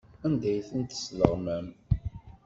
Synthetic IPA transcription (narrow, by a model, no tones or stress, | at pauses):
ænd̪æjθənt̪ə̥slə̰ʁmæm